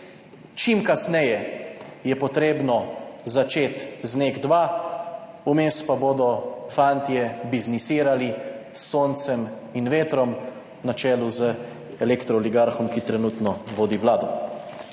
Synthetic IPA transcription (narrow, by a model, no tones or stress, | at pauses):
t͡ʃimkasnɛjɛjɛpɔt̪ɾeːbnɔzat͡ʃeːt̪zneːɡd̪ʋaː | umeːspaboːd̪ɔfant̪jɛbiznisiːɾalisːoːnt̪sɛm | inʋeːt̪ɾɔm | nat͡ʃɛːluzə | ɛlekt̪ɾɔliɡaɾxɔmkit̪ɾɛnut̪nɔʋoːd̪iʋlaːd̪ɔ